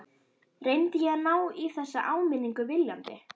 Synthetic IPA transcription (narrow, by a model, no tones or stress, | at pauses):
rejnt̪ɪjɛanaːwiθɛsːaʔaːwmɪnːiŋkʏvɪljant̪ɪ